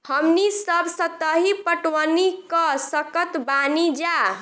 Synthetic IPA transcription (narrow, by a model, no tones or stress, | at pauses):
həmnisəbʱsət̪ːəɦipəʈwənikəsəkət̪banid͡ʒa